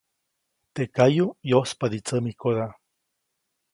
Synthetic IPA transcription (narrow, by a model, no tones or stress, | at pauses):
t̪ekajojospad̪it͡səmikoða